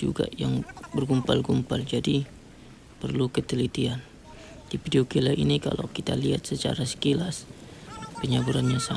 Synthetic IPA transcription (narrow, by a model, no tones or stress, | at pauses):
d͡ʒṵɡa̰jaŋbərɡumpalɡumpald͡ʒadi | pərlukət̪əlit̪ian | difideokelaʔḭnika̰la̰wkit̪aliɦat̪̚sət͡ʃa̰ɾasə̥kilas | pəɲabuɾanɲasa